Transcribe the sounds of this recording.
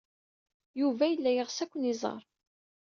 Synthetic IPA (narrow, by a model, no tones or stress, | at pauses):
juvæjəlːæjəʁsækʷːənizˤɑ̰ɾˤ